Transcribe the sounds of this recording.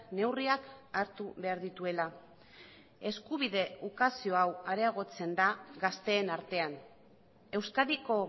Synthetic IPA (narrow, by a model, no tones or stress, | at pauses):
ne̞wriakaɾt̪uβe̞aɾðit̪ue̞la | e̞skuβ̞iðe̞ukasio̞awaɾeaɣ̞o̞t͡se̞nd̪aɣast̪e̞ːnaɾt̪e̞an | e̞wskaðiko̞